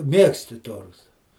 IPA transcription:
ˈmʲiɛksʲtʲɪ ˈtoːrtɐ

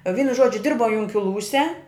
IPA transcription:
ˈʋʲiːnʊ ˈʒoːd͡ʒʲʊ ˈdʲɪrbɐʊ jʊŋʲkʲɪˈlˠuːsʲɛ

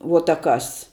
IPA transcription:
ʋuɔ tɐ ˈkɐs

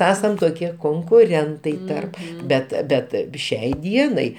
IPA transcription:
ˈæːsɐm toːˈkʲiɛ koːŋkʊˈrʲɛntɐɪ ˈtɐrp ˈbʲɛt ˈbʲɛt ˈʃʲɛɪ ˈdʲiɛnɐɪ

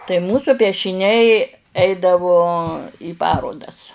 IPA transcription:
tɐɪ ˈmuːsʊ pʲiɛʃʲɪˈnʲɛɪ ˈɛɪdɐʋoː iː ˈpɑːroːdɐs

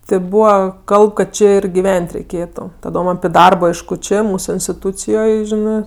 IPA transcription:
tʲɛ ˈbuːʋɐ ˈkɐlˠp kɐt ˈt͡ʃʲɪ ɪr ɡʲɪˈʋʲɛnʲtʲ rʲɛɪˈkʲeːtʊ tɐˈdoːm ɐpʲɪ ˈdɐrboː ˈɐɪʃkʊ ˈt͡ʃʲeː ˈmuːsʊ ɪnʲsʲtʲɪˈtuːt͡sʲɪjoːj ˈʒʲɪnɜ

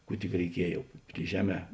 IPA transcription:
ˈkuː tʲɪk rʲɛɪˈkʲiɛj jɛʊ pʲrʲɪ ˈʒʲæːˌmʲɛː

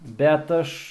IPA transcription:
ˈbʲɛt ɐʃ

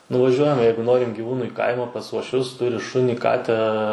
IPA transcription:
nʊʋɐˈʒʲuɔjɛm ˈjɛɪɡʊ ˈnoːrʲɪm ɡʲɪˈʋuːnʊˈiː kɐɪmɑː pɐs uɔʃʲˈʋʲʊs ˈtʊrʲɪ ˈʃʊnʲiː ˈkɑːtʲæː

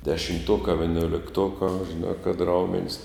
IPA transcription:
dʲɛʃʲɪmˈtuɔkɑː ʋʲɪnʲoːlʲɪkˈtuɔkɑː ʒʲɪˈnɑː kɐt ˈrɐʊmʲɛnʲsʲ

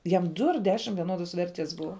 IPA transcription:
ˈjɛm ˈdʊ ɐr ˈdʲæːʃʲɪm ʋʲiɛˈnoːdoːs ˈʋʲɛrʲtʲiɛs ˈbʊʋɐ

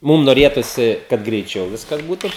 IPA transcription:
ˈmʊm noːˈrʲeːtʊsʲɪ kɐt ɡrʲɛɪˈt͡ʃʲɛʊ ˈʋʲɪskɐs ˈbuːtʊ

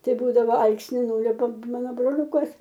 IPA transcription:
ˈtɐɪ ˈbuːdɐʋoː ˈɐlˠksʲnʲɪ ˈnuːlʲʊpɐm ˈmɑːnoː broːˈlʲuːkɐs

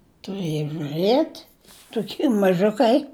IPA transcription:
tʊˈrɘjoː ʒʊˈrɘtʲ tʊˈkʲiː mɐˈʒʊkɐɪ

